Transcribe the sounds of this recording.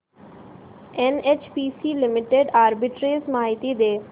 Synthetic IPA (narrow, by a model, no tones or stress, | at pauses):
enet͡ʃpisiːlɪmɪʈeɖaːɾbɪʈɾeːzmaːɦɪt̪id̪eː